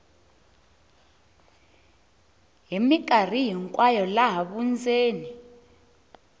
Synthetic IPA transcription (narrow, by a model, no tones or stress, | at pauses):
ɦimik̬ʼar̤iɦiŋkʼwajɔlaɦaɓund͡zeːni